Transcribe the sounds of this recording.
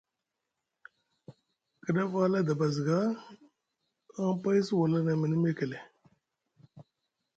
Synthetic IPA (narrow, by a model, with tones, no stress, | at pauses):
kə˨da˦fa˦la˦da˨ba˨zi˨ɡa˦ | a˦m˦pa˦jsi˦wa˨la˦na˨mi˨nə˦me˦ke˨le˨